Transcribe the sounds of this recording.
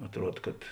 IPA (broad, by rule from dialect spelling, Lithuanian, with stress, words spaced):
ɐtˈruɔt kɐt